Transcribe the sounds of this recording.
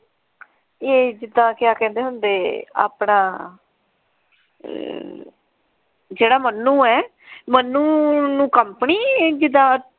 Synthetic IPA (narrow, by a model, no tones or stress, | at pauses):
eːd͡ʒɪd̪ãːkjaːkɛ̃ːnd̪eːɦʊnd̪eːa̰ːpɳaː | d͡ʒeːɽaːmənːũːɛː | mənːũːnũːkəmpəniːd͡ʒɪd̪ãː